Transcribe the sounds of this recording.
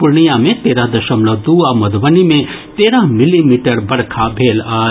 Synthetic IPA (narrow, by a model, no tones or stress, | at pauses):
puɾɳijamẽt̪eɾaɦd̪ɐʃəmlʌd̪uamɐd̪bənime | t̪eːɾaɦmilimiʈəɾbɐɽkʰabʱeːla